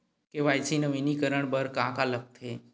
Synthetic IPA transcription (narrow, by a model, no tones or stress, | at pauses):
keʋajsinəʋinikəɾəɳ̃bəɾkãkalək̚t̪ʰe